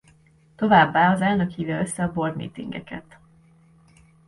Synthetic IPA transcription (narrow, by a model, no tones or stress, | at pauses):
t̪o̞vaːbːaːɒzɛlnø̞khiːvɛøsːɛɒbo̞rmḭːt̪ḭŋɡɛ̰kɛt̪